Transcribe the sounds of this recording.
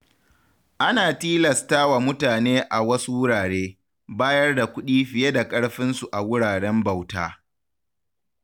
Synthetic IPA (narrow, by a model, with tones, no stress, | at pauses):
ʔa˦naː˨tiː˦lɐ˨staː˦wa˨mʊ˦taː˨neː˦ʔa˨wɐ˦su˦wʊ˦ɽaː˨ɽeː˦ | baː˦jɐ˦rda˨kʷʊ˦ɗiː˦ɸɪ˨je˦da˨kʼɐ˦ɽɸɪ˦nsu˨ʔa˨wʊ˦ɽaː˨ɽɛ˦mbɐ˨wtaː˦